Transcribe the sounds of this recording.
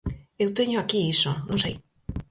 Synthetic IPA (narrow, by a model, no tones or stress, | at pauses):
ewt̪eɲʊakiisonõŋsḛj